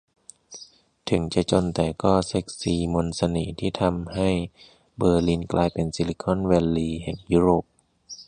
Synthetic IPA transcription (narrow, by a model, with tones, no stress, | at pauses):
t̪ʰɯ˩˦ŋt͡ɕa˧t͡ɕo˧nt̪ɛː˨˩kɔː˥˩se˦˥k̚siː˨˩mo˧nsa˧niː˩˦t̪ʰiː˥˩t̪ʰa˧mha˥˩j | bɤː˧li˧nklʔaː˧jpe˧nsi˧li˧˥kʰɔ˥˨nwɛː˧lːiː˧hɛ˨˩ŋjuː˦˥ɾoː˨˩p̚